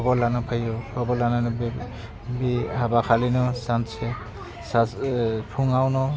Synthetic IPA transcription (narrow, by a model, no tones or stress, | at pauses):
ɔbɔlanɔpʰajɔpʰɔbɔlananb | biabakʰalinɔsansɛ | saspʰuŋawnɔ